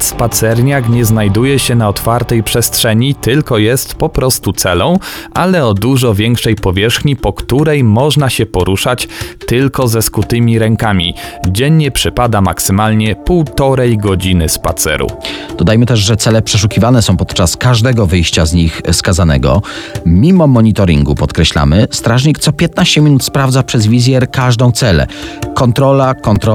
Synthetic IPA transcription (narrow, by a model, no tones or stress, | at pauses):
spat̪sɛɾɲakɲɛznajd̪ujɛɕɛnaɔt̪faɾt̪ɛjpʂɛstʂɛɲit̪ɘlkɔjɛst̪pɔpɾɔst̪ut̪sɛlɔ̃w̃ʔalɛɔd̪uʐɔvʲjɛŋkʂɛjpɔvʲjɛʂxɲipɔkt̪uɾɛjmɔʐnaɕɛpɔɾuʂat͡ɕt̪ɘlkɔzɛskut̪ɘmʲiɾɛŋkamʲḭd͡ʑɛɲːɛpʂɘpad̪ama̰ksɘmalɲɛpuwt̪ɔɾɛjɡɔd͡ʑinɘspa̰t̪sɛ̰ɾṵd̪̥ɔd̪ajmɘt̪ɛʐʐɛt̪sɛlɛpʂɛʂ̬ukʲivanɛsɔ̃w̃pɔt̪t͡ʂaskaʐd̪ɛɡɔvɘjɕt͡ɕazɲixskazanɛ̰ɡɔ̰mʲimɔmɔɲit̪ɔɾʲḭŋɡupɔt̪kɾɛɕla̰mɘst̪ɾaʐɲikt̪sɔpʲjɛt̪naɕt͡ɕɛmʲinut̪spɾavd̪zapʂɛzvʲizʲjɛɾkaʐd̪ɔ̃w̃t̪sɛlɛ̰kɔnt̪ɾɔlakɔnt̪ɾɔ